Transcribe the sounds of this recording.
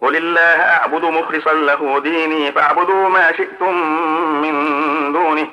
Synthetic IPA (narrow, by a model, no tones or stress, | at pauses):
wʊlɪlːaːhʔaʕbʊd̪ʊmʊxɾɨsˤɑnlaɦuːd̪iːniːfaʕbʊd̪uːmaːʃɪʔt̪ʊmːɪnd̪uːnɪh